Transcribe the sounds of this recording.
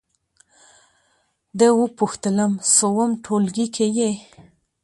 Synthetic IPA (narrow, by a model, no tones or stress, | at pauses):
d̪əwupuxt̪ələmsowəmʈʰolɡikʰeje